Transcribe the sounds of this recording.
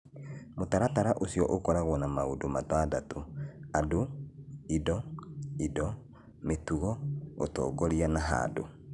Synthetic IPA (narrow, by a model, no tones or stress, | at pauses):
motaɾataɾaʔosjɔʔokɔɾaɣwɔnamaodomatadatoadoidɔidɔ | metuɣɔo̰tɔ̰ːkɔɾianaɦa̰do̰